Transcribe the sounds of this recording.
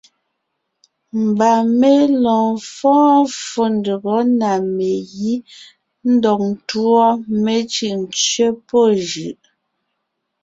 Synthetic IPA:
m̩˨ba˨me˦lɔ̃ː˨fɔ̃ː˦fo˨n˨də˨ɣɔ˨˦na˨me˨ji˦ | n̩˦dɔ˨k̚n̩˨tu˦ɔ˦me˦t͡ʃɯ˨ʔn̩˨t͡ʃɥe˦po˦˨ʒʉ˨ʔ

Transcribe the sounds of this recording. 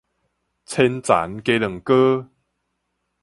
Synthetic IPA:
t͡sʰɛ˧nt͡sa̰˨˦nke˨˦lə˨˩ŋkə˦

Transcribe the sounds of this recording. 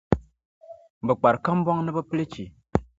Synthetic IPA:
m˨bə˨k͡pa˨ɾka˦m˦bɔ˦ŋnɨ˦bə˦ple˦t͡ʃi˨

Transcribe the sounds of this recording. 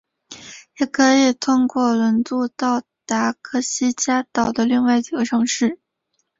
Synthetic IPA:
jɛ˨˩kʰɤ˧˥i˨˩t̪ʰʊ˥ŋkwɔ˥˩lə˧˥nt͡s̪u˥˧t̪ɑ˥˩ʊt̪a˧˥kʰɤ˥˩ɕi˥t͡ɕja˥t̪ɑ˨˩ʊd̪ə˦li˥˧ŋwa˥˩ɪt͡ɕi˨˩ɡə˦ʈ͡ʂʰɤ˧˥ŋʂɻ̩˥˩

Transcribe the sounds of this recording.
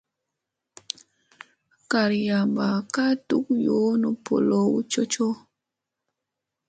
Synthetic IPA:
ka˨ɾja˨mba˨ka˦tu˦k̚jo˨˦nu˨po̰˨lo˦wṵ˦t͡ʃo˦t͡ʃo˦

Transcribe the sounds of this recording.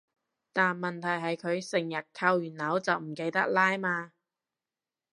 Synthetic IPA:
t̪aː˨nmɐ˨nt̪ʰɐ˨˩jɦɐ˨jkʰɵ˨˧ɥsɪ˨˩ŋjɐ˨t̚kʰa˧wjyː˨˩nlɐ˨˥wt͡sɐ˨wm̩˨˩ke˧jt̪ɐ˥k̚laː˥jmaː˧

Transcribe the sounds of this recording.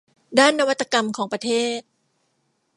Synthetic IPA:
daː˥˩nːa˧wa˦˥t̪ːa˧ka˧mkʰɔː˩˦ŋpɾa˧t̪ʰeː˥˩t̪̚

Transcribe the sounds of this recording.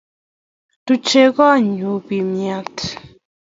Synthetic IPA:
tu˦t͡ʃe˦ɣɔ˦a˨ɲu˨˦bi˨mja˦t

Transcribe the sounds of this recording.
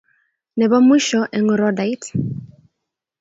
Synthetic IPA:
nɛ˨βa˦mi˦ʃɔ˦ʔɛ˨ŋ˨ɾɔ˦da˨i˦t

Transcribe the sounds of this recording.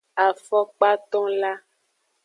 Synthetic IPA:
a˨fɔ˦k͡pa˦t̪ɔ̃˦la˦

